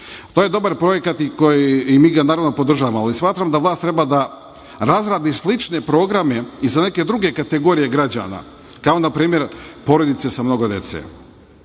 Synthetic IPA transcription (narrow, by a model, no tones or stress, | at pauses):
t̪oje̞d̪o̞baɾpɾo̞je̞kat̪ikojimiːɡanaːɾaʋno̞po̞d̪r̩ʒaːʋamoalismaːt̪ɾamd̪aʋlˠaːst̪ɾe̞bad̪a | ɾazɾaːd̪islit͡ʃne̞pɾo̞ːɡɾame̞izane̞ke̞d̪ɾuɡe̞kat̪e̞ɡo̞ːɾije̞ɡɾad͡ʑa̰na̰ | kaonapɾiːmje̞ɾpo̞ɾo̞d̪it̪sesamno̞ɡod̪je̞̰t̪sḛ